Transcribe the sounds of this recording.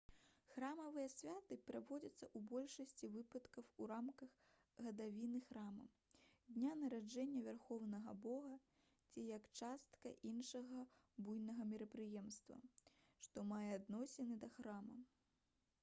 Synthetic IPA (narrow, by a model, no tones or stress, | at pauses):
xramɐvɨjɐsʲvʲat̪ɨpɾavɔd͡zʲɐt̪sːɐʔubɔlʲʂɐsʲt͡sʲivɨpɐt̪kɐwuɾamkɐɣ | ɣɐd̪avʲinɨxɾamɐ̰ | d̪ʲnʲanɐɾad͡ʐɛnʲːɐvʲarxɔwnɐɣɐbɔɣɐ | t͡sʲijɐkt͡ʂast̪kɐ̰ʔinʂɐɣɐ | bujnɐɣɐmʲɛɾɐpɾɨjɛmst̪vɐ̰ | ʂt̪ɔmajɛad̪nɔsʲɛnɨd̪ɐxɾamɐ